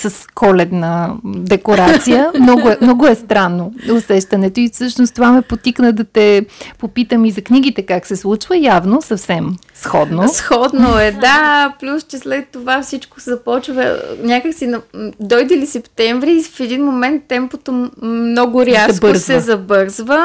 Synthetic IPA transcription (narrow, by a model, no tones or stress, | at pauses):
sɐskɔlɛt̪nɐd̪ɛkoɾat̪sijəmnɔɡʊɛmnɔɡʊɛst̪ɾanːoʊsɛʃt̪ɐnɛt̪oifsɤʃnoʊst̪ovamɛpot̪iknəd̪ɐt̪ɛpopit̪əmizɐkniɡ̟it̪ɛkaksɛslˠut͡ʃvəjavnosɐfsɛm | sxɔd̪nosxɔd̪noɛd̪aplʲust͡ʃɛslɛt̪ːovafsit͡ʃko̥sɛzɐpɔt͡ʃvɐ̰nʲakəksinɐd̪ɔjd̪ɛlisɛpt̪ɛɱvɾifɛd̪inmomɛnt̪ːɛmpot̪omnɔɡʊɾʲjabɤɾzsɛzɐbɤɾzvə